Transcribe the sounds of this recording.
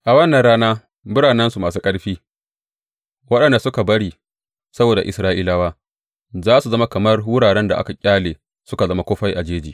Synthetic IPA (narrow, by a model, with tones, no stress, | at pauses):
ʔa˨wɐ˦nːɐ˨nɽaː˦naː˦ | bʊ˦ɽaː˨nɐ˦nsu˨maː˨s̬uː˦kʼɐ˦ɽɸiː˦ | wɐ˦ɗɐ˨nda˨sʊ˦ka˨bɐ˦ɽiː˦ | sɐ˦boː˨da˨ʔɪ̰˨sɾaː˦ʔiː˦laː˨waː˦ | zaː˦su˨zɐ˦ma˦kɐ˨mɐ˦rwʊ˦ɽaː˨ɽɛ˦nda˨ʔa̰˦ka˨kʲʼaː˦leː˨ | sʊ˦ka˨zɐ˦ma˦kʷoː˦ɸa˦jʔa˨d͡ʒeː˦d͡ʒḭː˨